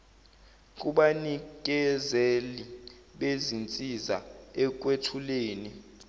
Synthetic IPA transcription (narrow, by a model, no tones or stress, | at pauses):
k̬ʼuɓanik̬ʼɛzeli | ɓezint͡sʼiza̰ɛk̬wetʰuleːni